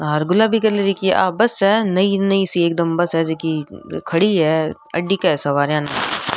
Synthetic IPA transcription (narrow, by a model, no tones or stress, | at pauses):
ɦaɾɡʊlabʱikɐɾleɾikiḛʔa̰ːbɐsɦɛnɐinɐisieːk̚d̪ɐmbɐsɦɛd͡ʒeːkikʰɐɽiɦɛ | ɐ̰ɖːikɐsɐʋaːɾjãːnɐ